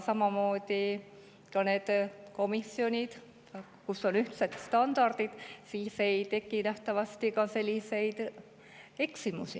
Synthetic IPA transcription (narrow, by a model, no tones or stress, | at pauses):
sɑmɑmo̞ːd̪̥i | kɑne̞ːd̪̥ko̞misio̞nʲid̪̥ | kuso̞nyht̪set̪st̪ɑnd̪̥ɑrd̪̥id̪̥siːse̞jt̪e̞kːˑinæht̪ɑvɑst̪ikɑse̞lʲːise̞jd̪̥ | e̞ksimusi